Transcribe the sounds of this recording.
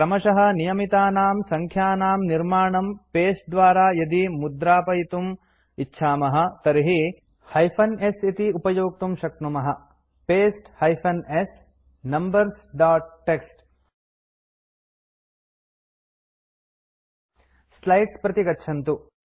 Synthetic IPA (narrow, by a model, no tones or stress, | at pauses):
kɾɐmɐʃɐɦɐ̆nijɐmit̪aːnaːmsɐŋkʰjaːnaːmniɾmaːɳɐmpeːsʈ̚d̪ʋaːɾaːjɐd̪imud̪ɾaːpɐjit̪um | itːʃʰaːmɐɦɐ̆t̪ɐɾiɦi | hɐjpʰɐnesit̪iupɐjoːk̚t̪umʃɐk̚t̪numɐɦɐ | peːsʈhɐjpʰɐnes | nɐmbɐɾsɖaːʈ̚ːeksʈ | slɐjʈspɾɐt̪iɡɐtːʃʰɐnt̪u